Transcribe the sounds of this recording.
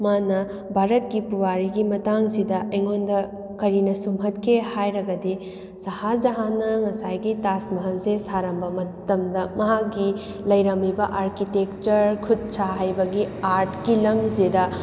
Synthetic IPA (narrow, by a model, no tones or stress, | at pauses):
manɐ | bʱaɾɐtkipuwaɾiɡimɐtaŋsidɐʔɐjŋondɐ | kɐɾinɐsumɦɐtkʰehajɾɐɡɐdi | sɐhad͡ʒɐɦanːɐŋɐsajɡitasmɐɦɐlzesaɾɐmbɐmɐtɐmdɐmɐɦakɡi | lɐjɾɐmibɐʔaɾkitekt͡ʃɐɾkʰud̚saɦajbɐɡiaɾʈkilɐmzedɐ